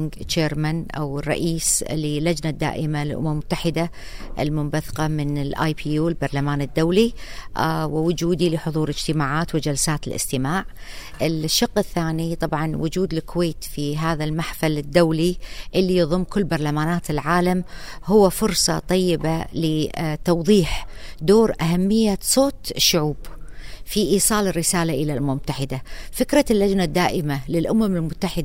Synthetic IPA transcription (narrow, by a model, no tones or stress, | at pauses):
ŋɡt͡ʃeːɾmanʔa̰wɪrˤːɑ̰ʔiːslilːad͡ʒnad̪ːa̰ːʔɪmalɪlʔʊ̰mammʊt̪ːaħɪd̪a | ʔɪ̰lmʊmbaθqɑmɪnɪlʔa̰ːjpʰijuːlbɑɾˤlamaːnɪd̪ːawli | wɪwʊd͡ʒuːd̪ilɪħʊðˤuːɾɪd͡ʒt̪ɪmaːʕaːt̪wɪd͡ʒalsaːt̪ɪlʔɪ̰st̪ɪmaːʕʔɪlʃːɑqːɪθːaːnit̪ˤɑbʕɑnwʊ̰d͡ʒuːd̪lɪkʊweːt̪fiɦaːðalmaħfalɪd̪ːawliʔɪlːijɑðˤʊmːkʊlːbɑɾˤlamaːnaːt̪ɪlʕaːlamhʊwːafʊɾsˤɑt̪ˤɑjːɪbalɪt̪ɑwðˤiːħd̪oːɾʔaɦamːɪjːasˤoːt̪ɪʃːʊʕuːbfiʔiːsˤɑːlɪrːɪsaːlaʔɪlalmʊmt̪ːaħɪd̪afɪkɾˤɑlːad͡ʒnad̪ːaːʔɪmalɪlʔʊmamɪlmʊt̪ːaħɪd̪